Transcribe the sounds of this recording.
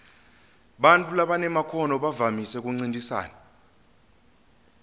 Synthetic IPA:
ɓantʼulaɓanɛmakʰɔnɔɓavamisɛk̬ʼuŋ͡ǀindʱisa̰ːna

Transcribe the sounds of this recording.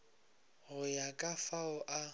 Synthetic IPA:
ɣʊjakʼafaʊʔa

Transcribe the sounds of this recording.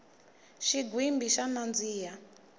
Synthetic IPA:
ʃiɡwimbiʃamand͡ziːja

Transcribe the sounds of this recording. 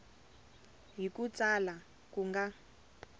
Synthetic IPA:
ɦikut͡sala | kuŋɡa

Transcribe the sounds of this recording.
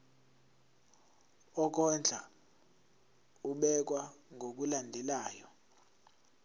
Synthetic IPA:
ɔk̬ɔnd͡ɮʱa̰ | uɓɛk̬waŋʱok̬ulandʱɛlaːjɔ

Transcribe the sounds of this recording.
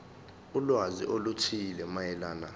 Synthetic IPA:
ulwazḭʔolutʰilɛmajɛlaːna

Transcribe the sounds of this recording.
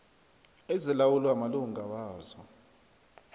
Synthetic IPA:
ezilawulwamaluŋɡʱawaːzɔ

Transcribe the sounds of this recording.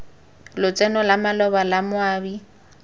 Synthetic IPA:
lʊt͡sʼɛnɔlamalɔbalamʊaːbi

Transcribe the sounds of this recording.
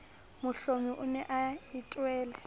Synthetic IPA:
mʊɬomiʔʊnɛʔaɪtʼwɛːlɛ

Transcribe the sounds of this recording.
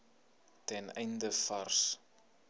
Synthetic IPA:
tɛnɛjndəfɐrs

